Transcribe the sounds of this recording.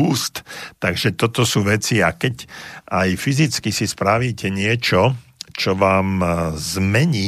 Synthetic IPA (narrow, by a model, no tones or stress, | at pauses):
uːst̪t̪aɡʒɛt̪ɔt̪ɔsuːʋɛt͡siakɛɟʔajfizit͡skisispɾaʋiːcɛɲɪɛt͡ʃɔt͡ʃɔʋaːmzmɛɲiː